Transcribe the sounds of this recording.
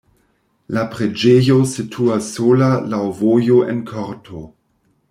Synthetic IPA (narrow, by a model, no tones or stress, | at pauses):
lapɾed͡ʒejo̞sitʰuasːolalawvojoʔḛnkʰoɾtʰo